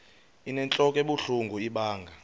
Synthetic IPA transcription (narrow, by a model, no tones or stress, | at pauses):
inɛnt͡ɬʼɔkʼɛɓuɬuŋɡʱuiɓaːŋɡʱa